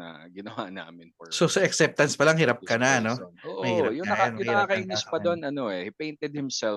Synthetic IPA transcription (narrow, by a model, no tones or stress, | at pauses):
a̰ɡɪnɐwa̰na̰ːmɪnsosɐɛksɛp̚t̪ɐnspɐlaŋhɪɾap̚kɐnɐno̞oːʔmɐjhɪɾajʊŋɐkanh̪ɪɾaːkɐʔinɪspɐd̪onʔɐnoɛhipejnt̪ɛd̪̚hɪmsɛl